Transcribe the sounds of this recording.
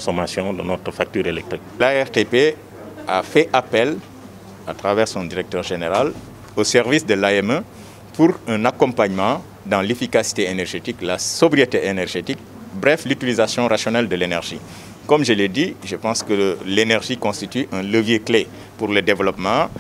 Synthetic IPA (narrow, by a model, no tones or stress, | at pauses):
ɔ̃somasjɔ̃d̪ə̰nɔt̪ɾəfak̚t̪yːɾelɛk̚t̪ɾik̚laɛʁt̪epe | afɛʔapɛl | at̪ʁavɛʁsɔ̃d̪iʁɛk̚t̪œʁʒeneʁal | osɛʁvisd̪əlaɛmə | puʁɛ̃nakɔ̃paɲmɑ̃ | d̪ɑ̃lefikasi̥t̪eenɛʁʒet̪iklasɔbɾijet̪eʔenɛʁʒet̪ik̚ | bʁɛflyt̪ilizasjɔ̃ɾasjɔnɛld̪əlenɛʁʒḭ | kɔmʒəled̪iʒəpɑ̃skəlenɛʁʒikɔ̃st̪it̪yʔɛ̃ləvjekle | puʁləd̪evəlɔpmɑ̃